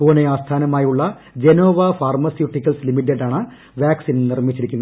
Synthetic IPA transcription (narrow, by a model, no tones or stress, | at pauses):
poːneaːst̪ʰaːnɐmaːjuɭːɐ | d͡ʑeno̞ːʋɐfaːrmɐsjuʈːikʲːɐlslimiʈ̬ːeɖaːɳɨ | ʋjaːksinnirmit͡ɕːiɾikʲːunː